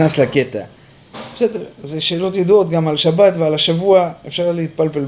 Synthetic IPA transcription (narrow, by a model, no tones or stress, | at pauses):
naslake̞t̪a̰ | besed̪eʁzeʃe̞ːlo̞t̪jad̪uo̞t̪ɡamalʃabat̪vealaʃavuaefʃaʁlehit̪̚palpel